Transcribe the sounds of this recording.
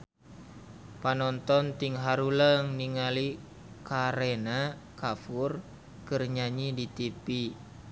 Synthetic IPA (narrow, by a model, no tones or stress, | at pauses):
panɔnt̪ɔnt̪iŋɦaɾuləŋniŋali | kaɾenakafur | kərɲaɲidit̪ipi